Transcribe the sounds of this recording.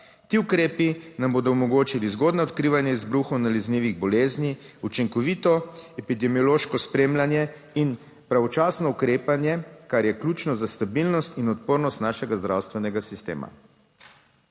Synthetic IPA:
t̪iːukɾeːpinamboːd̪ɔɔmɔɡoːt͡ʃilizɡoːd̪naɔt̪kɾiːʋanjɛizbɾuxɔnalizniʋiɣbɔleːzniut͡ʃiŋkɔʋit̪ɔɛpid̪ɛmiɔloːʃkɔspɾemlanjɛ | in | pɾaʋɔt͡ʃaːsnɔukɾeːpanjɛkaɾjɛklʲuːt͡ʃnɔzast̪abilnɔst̪inɔt̪̚poːɾnɔst̪naːʃɛɡazd̪ɾawst̪ʋɛnɛɡasist̪ḛːma̰

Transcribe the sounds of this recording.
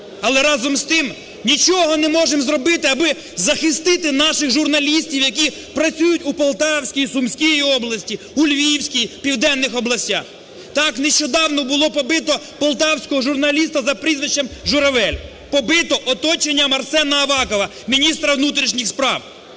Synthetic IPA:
ɐlˠɛɾɑzɔmst̪ɪm | nʲit͡ʃɔɦɔnɛmɔʒemzrɔbɪt̪ɪɐbɪ | zɐxɪst̪ɪt̪ɪnɑʃɪxʒʊrnɐlʲisʲtʲiwjɐk̬ʲi | pɾɐt͡sʲujʊtʲupɔlˠt̪ɑwsʲkʲijsʊmsʲkʲijiɔblˠɐsʲtʲi | ulʲʋʲijiwsʲkʲijpʲiwd̪ɛnːɪxɔblˠɐsʲtʲa̰x | t̪ɑkneʃt͡ʃɔd̪ɑwnɔbʊlˠɔpɔbɪt̪ɔpɔlˠt̪ɑwsʲkɔɦɔʒʊrnɐlʲist̪ɐzɐpɾizʋɪʃt͡ʃːɛmʒʊɾɐʋɛlʲ | pɔbɪt̪ɔʔɔt̪ɔt͡ʃenʲːɐmɐrsɛnɐːʋɑkɔʋɐ | mʲinʲist̪ɾɐwnut̪ɾʲiʃnʲixspɾɑw

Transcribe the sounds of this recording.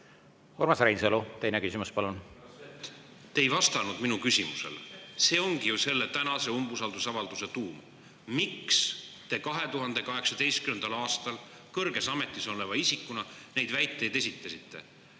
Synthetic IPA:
hoɾmɑsɾejnsolut̪ejnekysimuspɑlun | t̪ːeejvɑst̪ɑnud̪minukysʲimusḛlse̞ːo̞ŋɡ̥ijuse̞lːe̞t̪ænɑse̞umbusɑld̪usɑvɑld̪̥uset̪uːm | mikst̪e̞kɑɦe̞t̪uɦɑnd̪̥e̞kɑɦe̞ksɑd̪e̞jst̪kymend̪̥ɑlɑːst̪ɑl | kɤrɡe̞sɑme̞t̪ːˑiso̞levɑisikːˑunɑne̞jd̪̥væjt̪ˑːe̞jd̪e̞sʲit̪ːˑɑsit̪ːe̞̰

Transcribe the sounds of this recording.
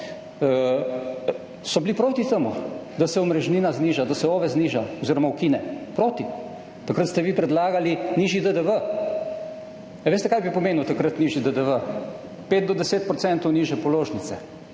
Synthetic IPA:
sɔblipɾoːt̪it̪əmud̪asɛɔmɾɛʒniːnazniːʒad̪asɛoːʋɛzniːʒaɔziːɾɔmawkiːnɛpɾoːt̪i | t̪akɾət̪st̪ɛʋiːpɾɛd̪laːɡaliniʒid̪əd̪əʋə | ʋeːst̪ɛkajbipɔmeːnuwt̪akɾət̪niːʒid̪əd̪əʋə | peːt̪̚d̪ɔd̪ɛseːt̪̚pɾɔt̪sɛnt̪ɔwniːʒɛpɔloːʒnit̪sɛ

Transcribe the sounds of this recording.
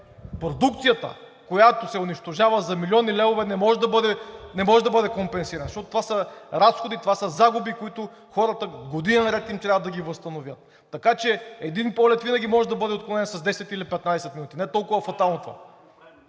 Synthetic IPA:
pɾod̪ukt̪sijət̪ə̰ | kojat̪osɛʊniʃt̪oʒavəzɐmilʲiɔnilɛvovɛnɛmɔʒɛd̪ɐbɤd̪ɛnɛmɔʒɛd̪ɐbɤd̪ɛkompɛnsiɾɐnɐʃɔt̪ot̪ovasɐɾasxod̪it̪ovasɐzaɡubikoit̪ʊ | xɔɾət̪əɡod̪inɐnɾɛt̪imt̪ɾʲavəd̪ɐɡʲivɐst̪ɐnovʲjət̪ːɐkat͡ʃɛɛd̪inpɔlɛt̪vinɐɡʲimɔʒɛd̪ɐbɤd̪ɛot̪klˠonɛnsɐzd̪ɛsɛt̪ilipɛt̪nad̪ɛsɛt̪minut̪ʲinɛt̪ɔlˠkʊvɐfɐt̪alˠnot̪ova̰

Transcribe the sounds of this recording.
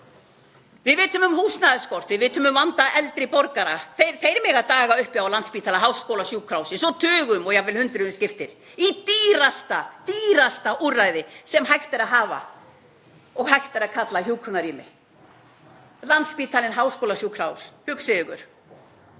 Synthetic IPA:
vɪðvɪːt̪ʏmʏmhuːsnaðɪskɔɾ̥θvɪðvɪːt̪ʏmʏmvant̪aʔɛlt̪ɾɪpɔɾkaɾaθejɾθejɾmɛɣat̪aːɣaʏhpjawlant̪spiːt̪ʰalaɦawskowlasjuːkʰɾawsɪsɔt̪ʰʏːɣʏmɔɣjavɪlhʏnt̪ɾʏðʏmscɪft̪ɪɾ̥it̪iːɾast̪at̪iːɾast̪aʔuːrːajðɪsɛmɦajxt̪aɾaðɦaːva̰ | ɔɣhajht̪ɪɾaðkʰat̪laçuːkʰʏnaɾiːmɪ̰ | lant̪spiːt̪ʰalɪnɦawskowlasjuːkʰɾawshʏksɪðʏɣʏ̰ɾ̥

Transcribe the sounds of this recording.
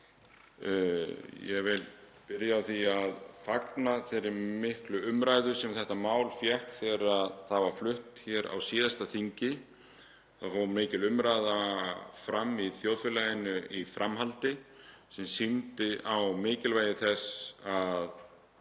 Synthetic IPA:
jɛ̰vɪl | pɪɾjaːwθiaðfaknaθɪɾɪɾmɪhklʏʏmɾaːjðʏ̥sɛmθɛht̪amaːwlfjɛhkθɛːɾaðθaðvaɾ̥flʏht̪çɛɾa̰wsiːðast̪aθiɲcɪ | θaðfɔmɪːcɪlʏmɾajðafɾamːiθjowðfɪlajɪnʏifɾʔamɦalt̪ɪsɛmsimt̪ɪʔawmɪːcɪlvaːjɪθɛsað

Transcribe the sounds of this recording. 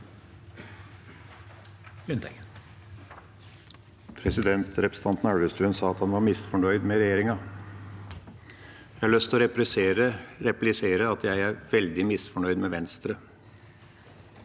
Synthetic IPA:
ʉnt̪ | pʰɾɛsɪd̪ɛnt̪ɾɛpɾəs̩ɑnt̪n̩æɹʋəst̪ʰʉːənsɑːɑt̪hɑnʋɑɾmɪsfɔɳœʏd̪mɛɾɛjeːɾɪŋɑ | jæɪhɑɭœst̪ɔɾɛɾsɾəɾɛplɪseːɾəɑt̪jæɪæɾʋɛld̪ɪmɪsfɔɳœʏd̪mɛʋɛnst̪ɾə

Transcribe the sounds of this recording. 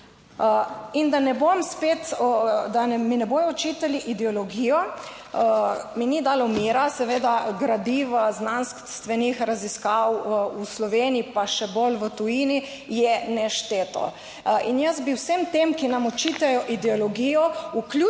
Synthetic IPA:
ind̪anɛbomspet̪d̪aminɛboːjɔɔt͡ʃiːt̪aliʔid̪ɛɔlɔɡijɔ | minid̪alɔmiːɾasɛʋeːd̪aɡɾad̪iʋaznanskst̪ʋɛnixɾaziskawuslɔʋeːniipaʃɛbolʋət̪ujini | jɛnɛʃt̪eːt̪ɔ̰ | injəzbiwsemt̪emkinamɔt͡ʃiːt̪ɛjɔʔid̪ɛɔlɔɡijɔuklu

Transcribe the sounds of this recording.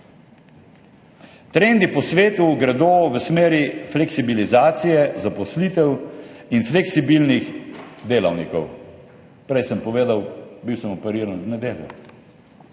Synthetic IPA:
t̪ɾend̪ipɔsʋeːt̪uɡɾɛd̪oːʋəsmeːɾiflɛksibilizaːt̪sijɛzapɔslit̪ɛwinflɛksibilnixd̪eːlɐwnikɔw | pɾɛjsəmpɔʋeːd̪awbiwsəmɔpɛɾiːɾanznɛd̪eːljṵ

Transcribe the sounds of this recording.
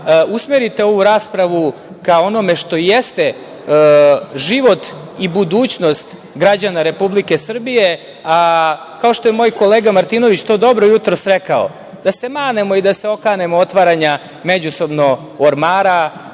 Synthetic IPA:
usmeɾit̪e̞o̞ʋuɾaːspɾaʋu | kao̞no̞me̞ʃt̪o̞jest̪e̞ | ʒiʋo̞t̪ibud̪uːt͡ɕno̞st̪ | ɡɾad͡ʑanaɾe̞publike̞sr̩bije̞ | a | kao̞ʃt̪o̞jemo̞ːjko̞leːɡamaɾt̪ino̞ʋit͡ɕt̪o̞ːd̪o̞bɾojut̪ɾosɾekao̰ | d̪ase̞maːne̞mo̞id̪aseo̞kaːne̞moot̪ʋaɾaɲa | med͡ʑuso̞bno̞ | oɾmaːɾa

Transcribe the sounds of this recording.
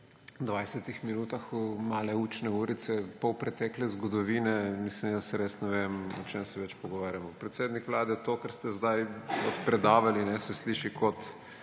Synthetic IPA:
d̪ʋajsɛt̪ixminuːt̪axumaːlɛuːt͡ʃnɛuːɾit̪sɛpɔwpɾɛt̪ɛːklɛzɡɔd̪ɔʋiːnɛmislimd̪asɛɾeːsnɛʋemɔt͡ʃemsɛʋɛt͡ʃpɔɡɔʋaːɾjamɔpɾɛt̪seːd̪nikʋlaːd̪ɛt̪oːkɛɾst̪ɛzd̪ajɔt̪pɾɛd̪aːʋalinɛsɛsliːʃikɔt̪

